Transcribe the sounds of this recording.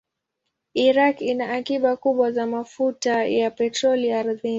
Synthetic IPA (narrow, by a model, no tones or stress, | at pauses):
iɾakinaʔːkiɓakuɓwazamafutajapɛtɾɔliaɾði